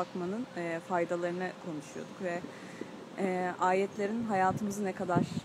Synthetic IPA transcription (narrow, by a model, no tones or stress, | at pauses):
akmanɯnːfajd̪alˠaɾɯnɯkʰo̞nuʃujo̞̰d̪ukvɛ | aːjɛt̪ʰlʲe̞ɾinɦajaːt̪ʰɯmɯzɯnɛkʰad̪aɾ̥